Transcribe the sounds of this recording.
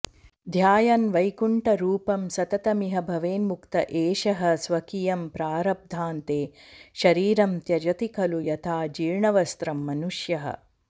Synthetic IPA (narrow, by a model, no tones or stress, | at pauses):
d̪ʱjaːjɐnʋɐjkuɳʈɐɾuːpɐmsɐt̪ɐt̪ɐmiɦɐbʱɐʋeːnmukt̪ɐʔeːʃɐɦɐ̆sʋɐkijɐmpɾaːɾɐb̚d̪ʱaːnt̪eːʃɐɾiːɾɐmt̪jɐd͡ʒɐt̪ikʰɐlujɐt̪ʰaːd͡ʒiːɾɳɐʋɐst̪ɾɐmːɐnuʂjɐɦɐ̰